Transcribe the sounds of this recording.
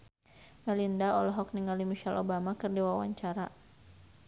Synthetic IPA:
mɛlindaɔlɔɦɔkniŋalimiʃalʔobamakɨrdiwawa̰ɲt͡ʃaɾa

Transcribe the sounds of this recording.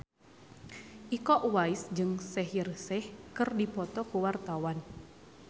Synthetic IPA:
ʔikɔʔwaisd͡ʒɨŋsɛɦirsɛhkɨrdipɔt̪ɔkuwart̪awan

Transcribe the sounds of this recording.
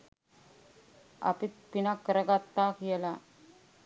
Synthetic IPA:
a̰pit̪̚pinakːəɾəɡat̪ːakijəla

